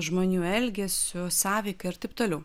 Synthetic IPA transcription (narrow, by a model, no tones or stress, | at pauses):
ʒmoːnʲuːɛlʲɡʲɛsʲʊsɑːʋʲɛɪkɐɪɐɾt̪ɐɪp̚t̪oːlʲɛʊ